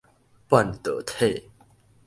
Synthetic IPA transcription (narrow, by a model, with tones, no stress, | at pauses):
pwa˥˨nt̪ə̰˨t̪ʰe˥˨